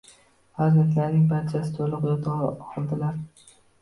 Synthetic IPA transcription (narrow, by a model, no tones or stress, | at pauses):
fazzant̪laɾnɪŋbaɾt͡ʃʰasɪ̥t̪ʰolˠɨqjɒt̪ʰɑqʰɨlˠd̪ɪlaɾ